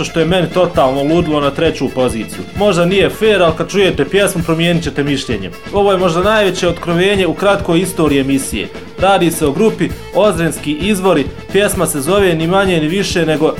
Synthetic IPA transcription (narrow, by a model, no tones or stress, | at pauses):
oʃt̪o̞jeme̞nit̪o̞t̪aːlˠnolˠuːd̪ilˠo̞nat̪ɾe̞t͡ɕuːpo̞ziːt̪sijumo̞ʒd̪anije̞feːɾalikad̪̥̚t͡ʃuje̞t̪epje̞smupɾo̞mjeːnit͡ɕe̞t̪e̞miʃʎeːɲem | o̞ʋoːjemo̞ʒd̪anajʋe̞t͡ɕe̞ot̪kɾoʋe̞ːɲe̞ukɾat̪ko̞jist̪o̞ːɾiemisijḛː | ɾaːd̪iːseo̞ɡɾupi | o̞zɾenskiʔizʋo̞ɾi | pje̞smase̞zo̞ʋe̞nimaɲeniʋiʃe̞ne̞ɡo̞